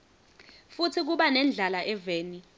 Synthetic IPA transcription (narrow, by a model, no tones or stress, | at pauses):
futʰik̬uɓanɛnd͡ɮʱalaʔɛveːni